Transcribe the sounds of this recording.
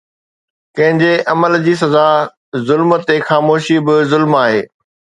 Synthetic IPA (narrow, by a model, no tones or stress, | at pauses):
kɐ̃ɦɪ̃ɲd͡ʑeʔɐməld͡ʑiːs̬ɐzaː | zʊlmt̪exaːmoːʃibɪzʊlmaːɦḛː